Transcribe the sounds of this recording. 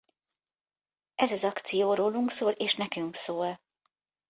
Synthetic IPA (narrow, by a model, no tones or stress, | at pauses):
ʔɛzɒzɒkt̪sijoːɾoːluŋksoːleːʃnɛkyŋksoːl